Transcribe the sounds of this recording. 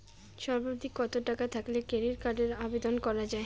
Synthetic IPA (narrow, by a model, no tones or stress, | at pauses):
ʃɔɾbad̪ʱikːɔt̪oʈakat̪ʰaklekeɾiɾkaɾɖeɾabed̪onkɔɾad͡ʑae